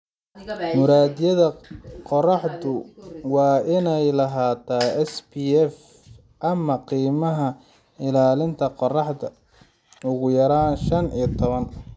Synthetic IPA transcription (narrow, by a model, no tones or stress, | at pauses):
mʊɾaːd̪ɪjɐðɐqɔrɑħdʊwɑːʔɪnɛjlɐɦaːt̪ʰaːɛspiɛf | ʔɐmɐqiːmɐɦɐ | ɪlaːlɪnt̪ʰɐqɔrɑħdɐ | ʊɣʊjɐɾaːnʃɐnijt̪ʰɔβɐn